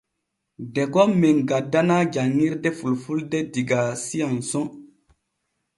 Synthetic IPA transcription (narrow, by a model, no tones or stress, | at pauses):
deɡɔmːɛŋɡadːanad͡ʒaŋːiɾdefulfuldediɡasijansɔ̃